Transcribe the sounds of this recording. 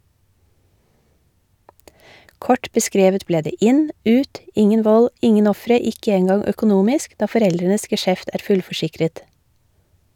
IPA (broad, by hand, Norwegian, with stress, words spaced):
ˈkɔʈ bəˈskɾeːʋət ˈbleː ˈdeː ˈɪn ˈʉːt ˈɪŋən ˈʋɔl ˈɪŋən ˈɔfɾə ˈɪkə ˈeːnɡɑŋ œkʊˈnuːmɪsk ˈdɑː fɔˈɾɛldɾənəs ɡɛˈʃɛft ˈæːɾ ˈfʉlfɔˌʃɪkɾət